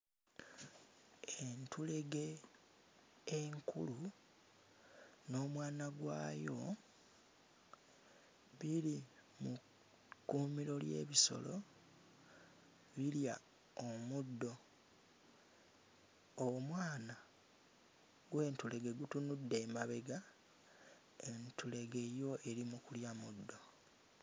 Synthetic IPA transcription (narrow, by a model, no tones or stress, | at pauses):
e̞ntule̞ɡe̞ | ŋkʰṵlu | no̞ːmwaːnaɡwa̰ːjo̞ | βiɾi | mu | kːumiɾo̞lje̞̰ːβiso̞̰lo̞̰ | βilja̰ | omudːo̞ | omwaːna | ɡwe̞ːntule̞ɡe̞ɡutunudːe̞ːmaβe̞ɡa | e̞ntule̞ɡe̞jo̞ʔe̞ɾimukuljamudːo